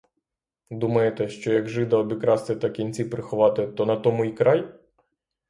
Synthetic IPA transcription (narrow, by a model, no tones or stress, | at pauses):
d̪umɐjet̪ɛʃt͡ʃɔjɐɡʒɪd̪ɐɔbʲikɾɑst̪ɪt̪ɐkʲinʲt͡sʲipɾɪxʊʋɑt̪ɪt̪ɔnɐt̪ɔmʊikɾɑj